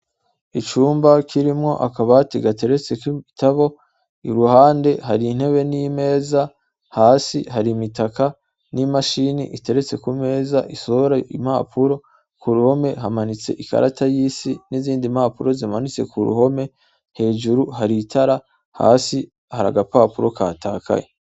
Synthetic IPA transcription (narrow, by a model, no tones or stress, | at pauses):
it͡ʃuːmbakʰiɾimŋo̞̰ʔa̰kaβatiɡate̞ɾe̞t͡se̞kiitaβo̞ | iɾuhaːnde̞ɦaɾiːn̥he̞βe̞nime̞ːza | haːsiɦaɾimitaka | nimaʃinḭʔite̞ɾe̞t͡se̞kume̞ːzaʔiso̞hoɾaim̥aːpʰuɾo̞ | kuɾuho̞me̞ɦamanit͡se̞̰ʔika̰ɾa̰tajiːsiniziːndimaːpuɾo̞zimanit͡se̞̰kuɾṵho̞me̞ | he̞ːʒuɾuɦaɾitʰaɾa | ha̰ːsi | haɾa̰ɡapaːpuɾo̞ka̰ːtʰaːkʰa̰je